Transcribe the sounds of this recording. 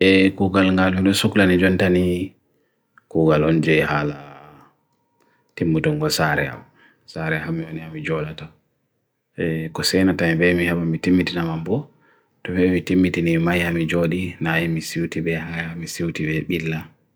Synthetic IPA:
ʔɛkuːɡalŋɡaluɗɔsuklanid͡ʒɔntani | kuɡalɔnd͡ʒɛjhala | timːutɔŋɡɔsaɾɛ̰a̰w | saɾɛhamioniamid͡ʒɔlata | ɛkɔsɛnatanibɛmihaɓamitimːitinamambɔ | tɔbɛmitimːitinimajhamid͡ʒoɗinajɛmisiwtibɛhaamisiwtibɛɓilːa

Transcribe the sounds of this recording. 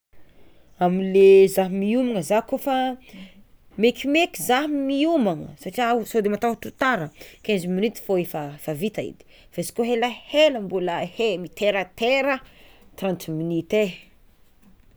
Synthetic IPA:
amilezaɦmiumaŋəzakofa | mekimekʲizaɦmiumaŋə̰saʈ͡ʂiausod̪emat̪at̪ut̪aɾəkeziminit̪i̥foefafavit̪aḭd̪i̥ | v̥esi̥koɦelaheləmbuləhemit̪eɾət̪eɾət̪ɾant̪iminit̪e

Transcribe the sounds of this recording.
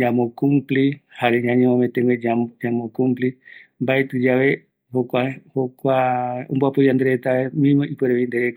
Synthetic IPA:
ɲãmõkumplihaɾeɲãɲẽmõmẽt̪ẽŋɡwed͡ʒad͡ʒãmõkũmplimbaet̪ɨd͡ʒaʋe̞ | hokʷahokʷaõmbuapɨjand̪eɾet̪aemĩmõʔipeɾeʋind̪eɾeka

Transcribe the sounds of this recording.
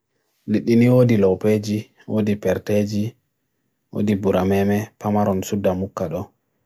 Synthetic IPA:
liɗːiniwodilɔwped͡ʒi | wodipɛɾted͡ʒi | wo̰dibuɾamɛmɛpamaɾɔnsudːamukːaɗɔ

